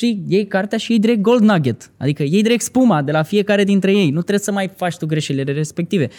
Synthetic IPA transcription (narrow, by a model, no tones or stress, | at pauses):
ʃije̞jkart̪eaʃijejd̪iɾe̞k̚t̪̚ɡo̞ld̪naɡet̪a̰d̪ikəje̞jd̪iɾe̞k̚t̪spumad̪e̞lafije̞kaɾe̞d̪int̪ɾe̞je̞jnut̪ɾe̞bsəmajfat͡ʃʲt̪uɡɾe̞ʃeileleɾe̞spe̞k̚t̪ive̞